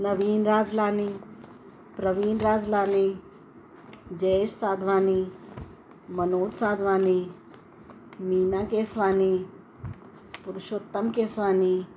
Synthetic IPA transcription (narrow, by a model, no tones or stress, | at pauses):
nɐʋiːnɾaːd͡zlaːni | pɾɐʋiːnɾaːd͡zlaːni | d͡ʒeʃsaːd̪ʱʋaːni | mɐnoːd̪saːd̪ʱʋaːni | miːnaːkeːsʋaːni | puɾʊʃot̪ːɐmkeːsʋaːni